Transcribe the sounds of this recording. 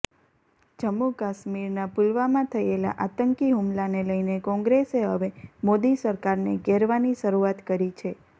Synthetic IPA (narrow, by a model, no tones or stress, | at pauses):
d͡ʒəmːukaʃmiɾnapulʋamãt̪ʰəela̰ʔat̪əŋkiɦumlaneləjnekɔ̃ŋɡɾeseɦəʋemod̪isəɾkaɾneɡeɾʋaniʃəɾuat̪kəɾit͡ʃʰe